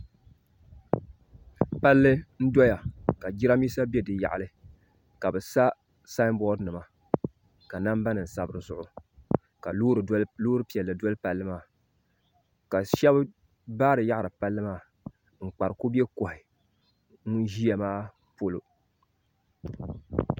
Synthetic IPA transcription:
pa˦lːɨ˦n̩˦do˦ja˨ka˨d͡ʒi˦ɾa˦miː˦sa˦be˦dɨ˨ja̰˨ʔa˨lɨ˦ | ka˨bɨ˨sa˦ | sa˦mbɔ˦dnɨ˨ma˨ | ka˨na˦m˦ba˦nɨ˨n̩˨sa˨bɨ˨ɾɨ˨zʊ˨ʔʊ˨ | ka˨luː˦ɾloː˦ɾɨ˦pi˨ɛ˨lːɨ˨do˦lɨ˦pa˨lːɨ˦maː˦˨ | ka˨ʃɛ˦b | baː˦ɾɨ˨ja˦ʔa˨ɾɨ˨pa˦lːɨ˦maː˦˨ | ŋ͡m̩˨k͡pa˨ɾɨ˨ku˦bi˦e˦ko˨hɪ˨ | ŋ˦ʒi˦ja˨maː˦ | po˦lo˨

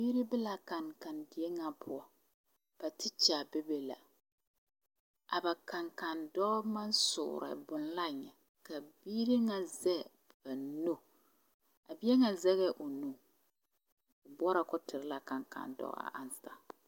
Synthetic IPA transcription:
biː˦ɾi˦bɛ˦la˨ka˨nka˨ndɪ˨ɛ˦ŋa˨pʰʊ˦ɔ˨ | b̥a˨tɪ˦t͡ʃa˨bɛ˦be˨la̰˨ | ʔa˨ba˨ka˨ŋka˨ndɔ˦ma˦n˦sʊ̰˨ɾɛ̰˨bʊ˨n˦la˦˨ɲɛ˨ | ka˨biː˦ɾi˦ŋa˨zɛ˦ | ba˨no˦ | a˨bi˦ɛ˦ŋa˨zɛ˦ɣɛ˦ʔo˨no˨ | ʊ˨bɔ˦ɾa˨kɔ˦tɪ˨ɾɪ˦la˨ka˨ŋka̰˨ndɔ̰˦a̰˨ʔa˨nsta˨

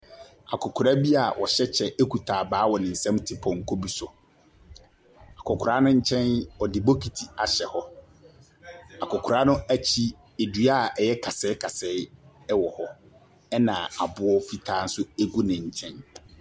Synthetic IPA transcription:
a˨kʰʊ˨kʰʊ˨ɾa˦bi˦a˨wʔɔ˨ɕɛ˦t͡ɕʰɛ˦e˦kʰu˨tʰaː˨baː˨˦wɔ˨nɪ̃˨n̩˨sɛ̃˦mtʰɪ˨pʰɔ̃˨ŋ̩˨kʰo˦bi˦sʊ˨ | a˨kʰʊ˨kʰʊ˨ɾa˦nʊ̃˦ɲ̩˦t͡ɕʰɛ̃˦nɔ˨dɪ˨bo˦kʰi˨tʰi˨a˨ɕɛ˨hɔ˦ | a˨kʊ˨kʰʊ˨ɾa˦nʊ̃˦æ˦t͡ɕʰi˦ | e˨dɥa˦˨ʔɛ˨jɛ˦kʰa˨sɛ˦kʰa˨sɛ˦ɪ˦ | ɛ˦wɔ˨hɔ˦ | ɛ˦nã˨a̰˨bʊ˦ɔ˦fi˦tʰaː˦n̩˦sʊ˦e˦ɡu˦nɪ̃˨ɲ̩˨t͡ɕʰɛ̃˦n

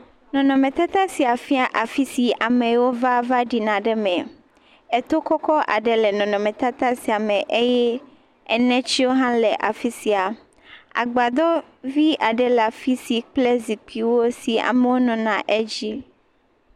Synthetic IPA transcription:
nɔ̃˨nɔ̃˨mẽ˨t̪a˦t̪ã˦si˨a˨fi˦a˨ʔa˨fi˦si˨a˨mɛ̃˨wo˦va˦va˦ɖi˨nã˨ɖɛ˦mɛ̃˨ | ɛ˦t̪o˦kɔ˦kɔ˦ʔa̰˨ɖɛ˨lɛ˨nɔ̃˨nɔ̃˨mɛ̃˨t̪a˦t̪ã˦si˨a˨mɛ̃˨ʔe˦jɛ˦ | ɛ˨nɛ̃˦t͡ɕi˦wo˦ɦã˦lɛ˨ʔa˨fi˦si˨a˨ | a̰˨ɡ͡ba˨d̪ɔ˦ | vi˦ʔa˨ɖɛ˨la˨fi˦si˨k͡ple˦zi˨k͡pʰi˨wo˦si˨a̰˨me˨wo˦nɔ̃˨nã˨ʔɛ˦d͡ʑi˦

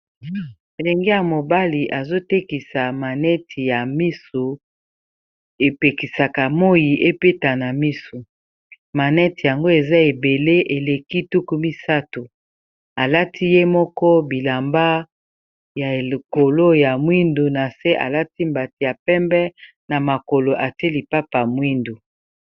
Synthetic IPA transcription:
e˨le˨ŋɡe˦ja˨mo˨ba˦li˨ʔa˨zo˦te˦ki˨sa˨ma˨nɛ˦tʰi˨ja˨mi˦su˨ | e˨pe˨ki˨sa˨ka˨mo˦ji˨ʔe˦pe˦ta˨na˨mi˦su˨ | ma˨nɛ˦ti˨ja˨ŋɡo˦e˨za˦e˨be˨le˦ʔe˨le˨ki˦tu˦ku˦mi˦sa˦to˨ | a˨la˦tʰi˦je˦mɔ˦kɔ˦bi˨la˨mba˦ | ja˨e˨ko˨lo˦ja˨mwi˦ndu˨na˨se˦ʔa̰˨la˦ti˦mba˨ti˨ja˨pɛ˦mbɛ˦ | na˨ma˨ko˨lo˨ʔa˨te˦li˨pa˦pa˨mwi˦ndu˨

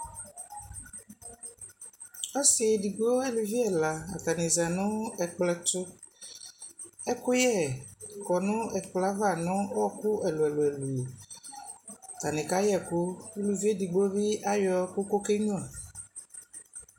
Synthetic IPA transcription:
ɔ˦si˨di˨ɡ͡bo˦e˦lu˨vi˦ɛ˨la˨a̰˨ta˨nɪ˨za˨nʊ̃˦ɛ˨k͡plɛ˨tʊ˦ | ɛ˦kʊ˦jɛ˦˨kɔ˨nʊ̃˦ɛ˨k͡pla˨˦va˦˨nʊ̃˦ɔ˦kʊ˦ɛ˨lʊ˨ɛ˨lʊ˨ɛ˨lu˨ | t̪a˨nɪ˨ka˦jɛ˨kʊ˦e˦lu˨vi˦e˦di˨ɡ͡bo˦βɪ˦a˦jɔ˨˦kʊ˦ko˦ke˦ɲɔ̃˦˨

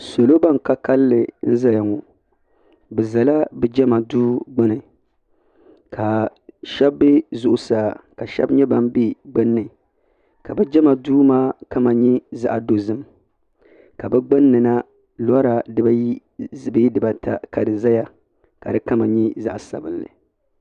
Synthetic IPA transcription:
so˨lo˦ba˦ŋ˨ka˦ka˦lːɨ˨n̩˦za˦ja˨ŋo˨ | bɛ˨za˨la˦bɛ˨˦d͡ʒɛ˦ma˨duː˦ɡ͡bɨ˦nɨ˨ | kʰa˨ʃɛ˦bːɪ˦zʊ˦ʔʊ˨saː˦˨ka˨ʃɛ̰˦bɲɛ˦ba˦mbi˦ɡ͡bɨ˦nːɨ˨ | ka˨bɛ˦d͡ʒɛ˦ma˨duː˦maː˦ka˦ma˨ɲi˦za̰˦ʔa˨do˨zɨ˦m | ka˨bɛ˦ɡ͡bɨ˦nːɨ˨na˦ | la˦ɾa˨dɨ˦ba˦ | bɨ˦i˦dɨ˨ba˨tʰa̰˨ka˨dɨ˨za˦ja˦ | ka˨dɨ˦ka˦ma˨ɲi˦za˦ʔa˨sa̰˨bɨ˦nlɨ̰˨

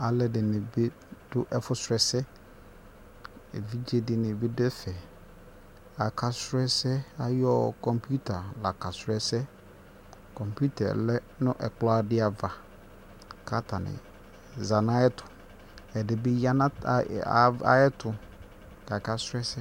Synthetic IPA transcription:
a˨lɛ˨dɪ˨nɪ̃˨be˦ | d̥ʊ˦ʔɛ˦fʊ˦sɾɛ˨sɛ˦ | ḛ˨vi˦d͡ʒe˦dɪ˨nɪ̃˨bɪ˦dɛ˦fɛ˨ | a˨kʰa˨sɾɛ˦sɛ˦a˨jɔ˦kɔ̃˨mpʰu˦tʰa˨la˨ka˨sɾɛ˦sɛ˦ | kɔ̃˨mpʰu˦tʰa̰˨lɛ˦ | nʊ̃˦ʔɛ̰˨klɔ˦a˦˨dɪ˦a˨va˨ | kʰa˦tʰa˨nɪ̰̃˨ | za˨nã˦ɛ˦tʰʊ̥˨ | ɛ˨dɪ˨bɪ˦ja˦nã˦˨ | a̰˦jɛ˦tʰʊ˨ | ka˨ka˦sɾɛ˦sɛ˦

